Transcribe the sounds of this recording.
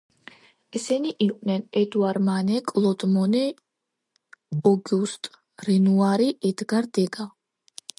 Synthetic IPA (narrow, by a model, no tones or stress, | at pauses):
ɛsɛniʔiqʼwnɛnɛd̪uaɾmanɛkʼlˠɔd̪mɔnɛ | ɔɡust̪ʼ | ɾɛnuaɾiʔɛd̪ɡaɾd̪ɛɡa